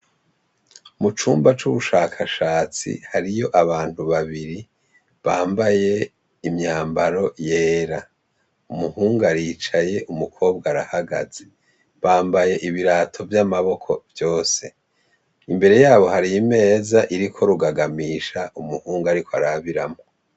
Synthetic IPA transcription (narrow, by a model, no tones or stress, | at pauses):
mut͡ʃuːmbat͡ʃuβuʃaːkʰaʃaːt͡sḭhaɾijo̞ʔaβaːn̥huβaβiɾi | βaːmbaje̞ | imɲaːmbaɾo̞je̞ːɾa | umuhuːŋɡaɾiːt͡ʃaje̞ʔumukʰo̞ːb̚ɡaɾahaɡa̰ze | βaːmbaje̞ʔiβiɾaːtʰo̞vjamaβo̞kʰo̞vjo̞ːse̞ | imbe̞ɾe̞jaːβo̞haɾijime̞ːzaʔiɾikʰo̞ɾuɡaɡamiːʃaʔumuhuːŋɡaɾikʰoaɾaβiɾamo